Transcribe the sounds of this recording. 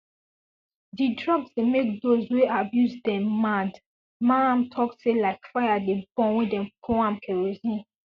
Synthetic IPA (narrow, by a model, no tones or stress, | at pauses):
didɹɔ̃psdemekdozweʔabjuzdɛ̃mːad | mãmtʰɔk̚tselaɪkfaɪjadebɔ̃nwẽdɛ̃mkʰoãmkʰɛɹozĩ